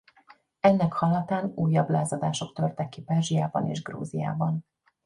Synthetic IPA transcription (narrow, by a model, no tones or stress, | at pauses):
ɛnːɛkhɒlɒt̪aːnuːjːɒblaːzɒd̪aːʃo̞kt̪ørt̪ɛkːipɛlʒijaːbɒ̰nḛːʒɡrṵːzija̰ːbɒn